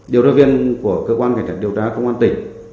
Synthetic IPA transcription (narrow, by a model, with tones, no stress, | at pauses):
ɗi˨əwzaː˧vi˧ənku˧˩əkəː˧kwaː˧nka˧˩ŋt͡ɕaː˧˩t̚i˨əwt̪aː˨˦kə˧wŋ͡mʔaː˧nt̪ï˧˩ŋ̟